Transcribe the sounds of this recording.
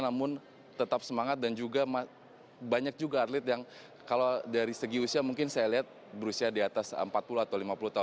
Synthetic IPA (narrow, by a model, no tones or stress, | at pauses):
namʊn | t̪ət̪ap̚səmaŋat̪̚dand͡ʒuɡama | baɲak̚d͡ʒuɡaːrlɪt̪jaŋ | kalodaɾisəɡiusiamuŋkɪnsajaliɦat̪̚ | bəɾusiadiat̪asə̰mpat̪̚puluat̪awlimapulut̪aʊn